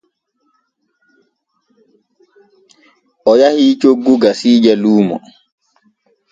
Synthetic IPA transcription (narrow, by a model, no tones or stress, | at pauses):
ʔɔjahit͡ʃoɡːuɡasiːd͡ʒɛluːmɔ̰